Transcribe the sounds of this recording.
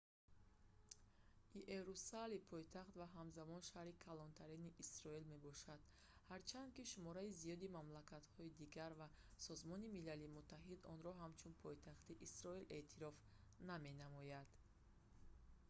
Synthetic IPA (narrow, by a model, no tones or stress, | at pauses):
iʔeɾusalipʰɔjt̪ʰaχt̪vaɦamzamɔnʃahɾikʰalɔnt̪ʰaɾiniʔisɾɔilme̞bɔʃad̪̥ | haɾt͡ʃʰand̪̚kiʃumɔɾaizijɔd̪imamlakʰat̪hɔid̪iɡaɾvasɔzmɔnimilalimut̪ʰːaɦid̪ɔnɾɔɦamt͡ʃʰunpʰɔjt̪ʰaχt̪iʔisɾɔilʔe̞t̪ʰiɾɔf | name̞namɔjad̪̥